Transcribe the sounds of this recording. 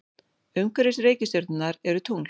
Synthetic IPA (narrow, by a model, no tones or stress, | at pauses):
œɥŋkɛɾɪsreːjcɪsœɾt̪ʏnaɾɛɾʏt̪ʰuŋ